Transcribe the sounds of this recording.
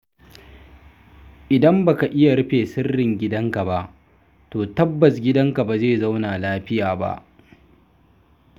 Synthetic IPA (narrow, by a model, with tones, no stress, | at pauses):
ʔɪ˨dɐ˦mba˨ka˨ʔɪ˦ja˨ɾɪ˦ɸeː˨sɪ˦rːɪ˨ŋɡʲɪ˦dɐ˦ŋka˨ba˦ʔ | toː˨tɐ˦bːɐ˨sɡʲɪ˦dɐ˦ŋka˨ba˨zeː˦˨za˦wnaː˨laː˦ɸɪ˦jaː˨ba̰˦ʔ